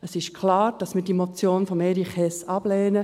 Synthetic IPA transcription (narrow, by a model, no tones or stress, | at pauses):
əsɪʃkʰlɑːɾd̥ɑsmɪdimot͡sjoːnfɔmeɾiχɛsɑb̥lɛːnə